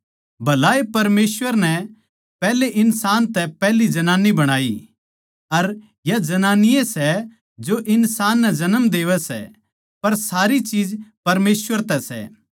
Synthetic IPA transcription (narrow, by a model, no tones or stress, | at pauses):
bʱɐlaːepɐɾmeːsʋəɾnɛ | pɛːɦleʔɪnsaːnt̪ɛpɛɦlid͡ʒɐnaːnibɐɽ̃aːi | ɐɾ | jad͡ʒɐnaːnɪjẽsɛ | d͡ʒoʔɪnsaːnːɛd͡ʒɐnəmd̪eːʋɛsɛ̰ | pɐɾsaːɾit͡ʃiːd͡ʒpɐɾmeːsʋəɾt̪ɛsɛ̰ː